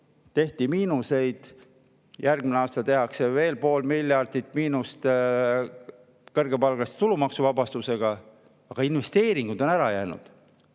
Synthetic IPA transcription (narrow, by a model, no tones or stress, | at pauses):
t̪e̞ht̪imiːnuse̞jd̪̥ | jʔærɡ̥mineɑːst̪ɑt̪e̞ɦɑkse̞ve̞ːlpo̞ːlmiljɑrd̪̥it̪ːˑmiːnust̪ | kɤrɡ̥epɑlɡ̥ɑst̪e̥t̪ulumɑksuvɑbɑst̪use̞ɡ̥ɑ | ɑɡ̥ɑinve̞st̪e̞ːɾiŋɡ̥ud̪̥o̞næɾɑjæːnṵd̪̥